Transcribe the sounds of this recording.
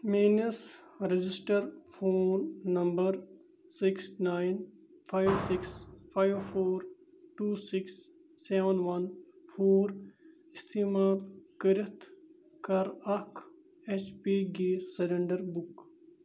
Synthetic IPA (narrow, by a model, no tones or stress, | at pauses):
meːnɐsɾed͡ʒɪsʈəɾfʰoːnːɐmbɐɾ | sɪksnaːjn | pʰajʋsɪkspʰaːjʋpʰoːɾ | ʈuːsɪksː | eːʋənʋɐnfʰoːɾ | ɪst̪ʰiːmaːlkɐɾɪt̪ʰ | kɐɾɐkʰ | et͡ʃpiːɡeːsɐɾeɳɖɐɾbʊk